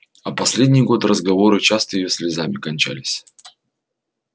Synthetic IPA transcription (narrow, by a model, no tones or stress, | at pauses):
ɐpɐsʲlʲedʲnʲijɡo̞t̪ɾəzɡɐvo̞ɾɨt͡ɕast̪əjɪjosʲlʲɪzamʲɪkɐnʲt͡ɕæ̰lʲɪsʲ